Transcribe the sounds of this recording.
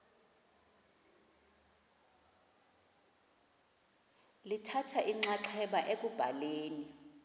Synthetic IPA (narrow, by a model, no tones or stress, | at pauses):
litʰatʰaʔiŋ͡ǁaǁʰɛɓaʔek̬ʼub̥ʱaleːni